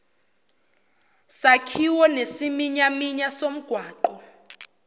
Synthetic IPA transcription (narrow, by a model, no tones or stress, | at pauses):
sakʰiwɔnesimiɲamiɲasom̩ɡ̥ʱwaːǃɔ